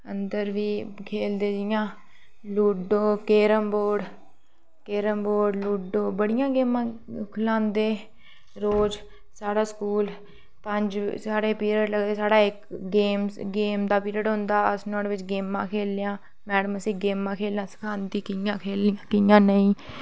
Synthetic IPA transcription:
ənd̪əɾʋiːkʰeːld̪eːd͡ʒɪjãː | luːɖoːkeːɾəmboːɽ | keːɾəmboːɖluːɖoːbəɽɪjãːɡeːmãːkʰʊlãːnd̪eː | ɾoːd͡ʒ | saːɽaːskuːl | pəɲd͡ʒsaːɽeːpiːɾəɖləɡd̪eːsaːɽaːɪkɡeːmɡeːmd̪aːpiːɾəʈɦʊ̃ːnd̪aːəsnɔːʈʋɪt͡ʃɡeːmːãːkʰeːljãː | mɛːɽəməsiːɡeːmãːkʰeːljãːsə̥kʰaːnd̪iːkɪjãːkʰeːlɪjãkɪjãːnəĩː

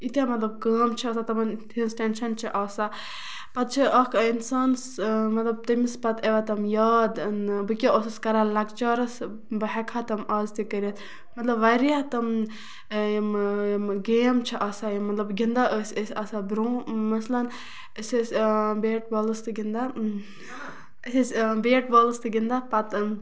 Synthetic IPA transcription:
it̪amɐt̪lɐb̚kaːmt͡ʃʰiɐsat̪ɐmɐnt̪ʰinsʈenʃɐnt͡ʃʰiʔɐːsa | pɐt̪̚t͡ʃʰiʔɐkʰinsaːnsmɐt̪lɐb̚t̪ɐmispɐt̪ʰeʋat̪ɐmjaːd̪nbɨkʲioːsɐskɐɾalɐkt͡ʃɐːɾɐs | bɐɦɛkʰat̪ɐmaːzt̪ikəɾʲɐt̪ | mɐt̪lɐbʋɐɾiat̪ɐm | ɡeːmt͡ʃʰiʔɐsajimɐt̪lɐbɡind̪aʔəsʲəsʲɐsabɾõːmɐslɐn | əsʲəsʲbeːʈ̚boːlst̪ɨɡind̪a | sʲisʲbeːʈ̚boːlst̪ɨɡind̪apɐt̪n

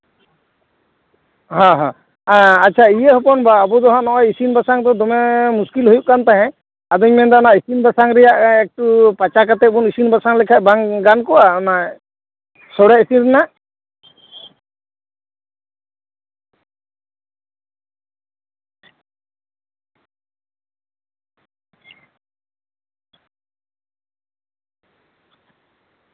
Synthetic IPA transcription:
ɦɔ̃ɦɔ̃ | atːt͡ʃʰaijeɦɔpɔnbaːbɔd̪ɔɦɔ̃ʔnɔʔɔjisinbasaŋd̪ɔd̪ɔmɛmuskilɦujuʔkant̪aɦɛ̃ | ad̪ɔɲmɛnd̪ɔnaʔisinbasaŋɾɛjaʔɛk̚ʈupat͡ʃakat̪ɛbunisinbasaŋlɛkʰaʔ̚baŋɡankɔwanaʔ | sɔɽɛʔisinɾɛnaʔ

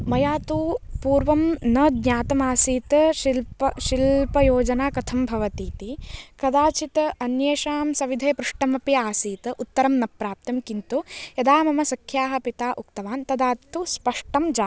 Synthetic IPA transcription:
mɐjaːt̪upuːɾʋɐmnɐd̪ɲaːt̪ɐmaːsiːt̪ɐʃilpɐʃilpɐjoːd͡ʒɐnaːkɐt̪ʰɐmbʱɐʋɐt̪iːt̪ikɐd̪aːt͡ʃit̪ɐɐnjeːʃaːmsɐʋid̪ʱeːpɾuʂʈɐmɐpiaːsiːt̪ɐʔut̪ːɐɾɐmnɐpɾaːp̚t̪ɐmkint̪ujɐd̪aːmɐmɐsɐkʰjaːɦɐ̆pit̪aːʔukt̪ɐʋaːnt̪ɐd̪aːt̪uspɐʂʈɐmd͡ʒaː

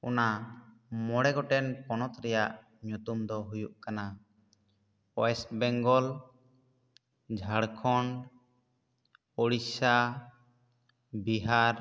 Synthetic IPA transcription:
ṵna | mɔɽɛɡɔʈɛnpɔnɔt̪ɾɛjaʔ | ɲut̪umd̪ɔɦujuʔkana | ɔɛsbɛŋɡɔl | d͡ʒʱaɽkʰɔɳɖ | oɽisa | biɦaɾ

